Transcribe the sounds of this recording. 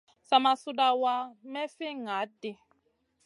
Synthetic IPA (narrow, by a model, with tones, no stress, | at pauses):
sa˦ma˨su˦da˦wa˦mɛ˦fɪ˦ŋa˨˦dɪ˨